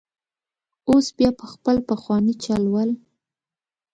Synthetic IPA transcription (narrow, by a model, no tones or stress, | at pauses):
osbjɑpəxpəlpəxwɑnit͡ʃɑlwəl